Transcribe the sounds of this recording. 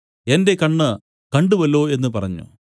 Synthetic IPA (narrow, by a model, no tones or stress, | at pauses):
e̞nde̞kɐɳːɨ | kɐɳɖuʋɐlːo̞ːe̞nːɨpɐrɐɲːṵ